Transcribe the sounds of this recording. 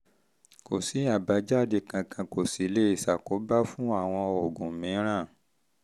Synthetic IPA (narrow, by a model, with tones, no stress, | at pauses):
ko˨si˨˦a˦˨ba˨˦d͡ʒa˦˨de˧˨kã˧kʰã˧ko˨si˨˦le˦i˦˨sa˨ko˨˦ba˦fũ˦a˦˨w̃ɔ̃˧ɔ˨ɡũ˨mĩ˨˦ɾ̃ã˦˨